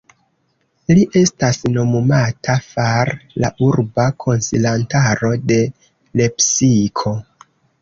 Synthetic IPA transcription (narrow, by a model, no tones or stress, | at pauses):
liʔe̞stasno̞mumatʰafaɾlaʔuɾbakʰo̞nsilantaɾo̞de̞ | le̞psikʰo̞